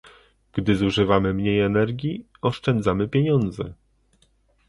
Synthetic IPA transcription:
ɡ̥d̪ɘzuʐɘvamɘmɲejɛnɛɾɡʲji | ɔʂt͡ʂɛnd̪zamɘpʲjeɲɔnd̪zɛ

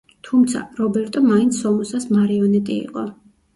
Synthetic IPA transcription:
t̪ʰumt̪sʰa̰ɾɔbɛɾt̪ʼɔmaint̪sʰɔmɔsasmaɾiɔnɛt̪ʼḭḭqʼɔ

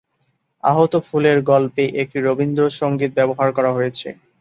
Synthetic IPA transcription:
a̰ɦot̪ofuleɾɡɔlpeʔek̚ʈiɾobind̪ɾoʃoŋɡit̪̚bɛboɦaɾkɔɾaɦojet͡ɕʰḛ

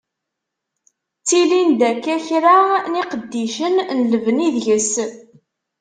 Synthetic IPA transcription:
t͡sːilind̪ækːæçɾaniqəd̪ːiʃənnləvniðʝəs

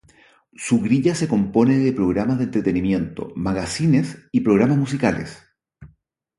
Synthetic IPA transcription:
suɣɾiʎase̞ko̞mpo̞neðepɾoɣɾamazðent̪ɾet̪enimje̞nt̪o̞̰maɣasinesipɾoɣɾamazmus̬ikalḛs

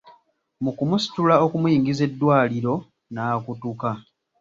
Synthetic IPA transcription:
mukumusi̥tulao̞kumujiːŋɡize̞dːwaːliɾo̞ | naːkutuka

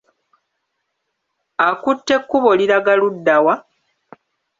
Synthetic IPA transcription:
akutːe̞kːuβo̞liɾaɡaludːawa

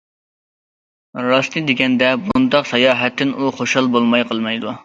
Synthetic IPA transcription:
ɾɑsnɨd̪eɡʲɛnd̪ɛbund̪ɑqsɑjɑːɦɛt̪ʰːɪnuχoʃɑlˠbolˠmɑjqʰəlˠmɑjd̪u

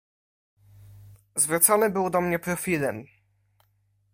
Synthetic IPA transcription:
zvɾut̪sɔnɘbɘwd̪ɔmɲɛpɾɔfʲilɛm

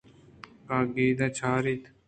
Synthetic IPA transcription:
kaːɡiːd̪ãt͡ʃʰaːɾit̪

